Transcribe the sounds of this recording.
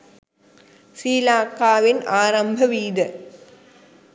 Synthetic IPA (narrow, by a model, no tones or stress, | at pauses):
siːlaːkːaːʋinaːɾɐmbʱɐʋiːd̪ɐ